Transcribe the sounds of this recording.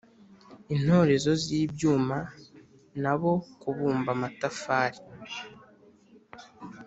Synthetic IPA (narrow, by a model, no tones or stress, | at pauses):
in̥ho̞ːɾe̞zo̞ziːbjuːma | naβo̞kuβuːmbamatafaːɾi̥